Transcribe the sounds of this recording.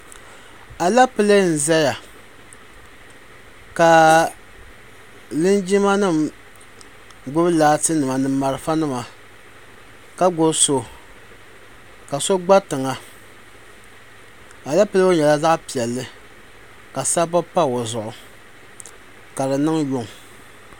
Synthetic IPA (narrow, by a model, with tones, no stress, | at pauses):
a˨la˦pɨ˦le˦n̩˨zɛ˦ja˨ | ka˨ | lɨ˦nd͡ʒi˦ma˦nɨ˦˨m | ɡʊ˦bɨ˦laː˦tɨ˦nɨ˨ma˨nɨ˦mː˦a˨ɾɨ˦fa˦nɨ˦ma˨ | ka˦ɡo˦so˦ | ka˨so˦ɡ͡ba˦tɨ˨ŋa˨ | a˨la˦pɨ˦le˦o˦ɲɛ˨la˦za˦ʔpi˨ɛ˨lːɨ˦ | ka˨sa˦ba˦pa˦o˨zʊ˨ʔʊ˨ | ka˨dɨ˨nɨ˦ŋjʊ˦ŋ˨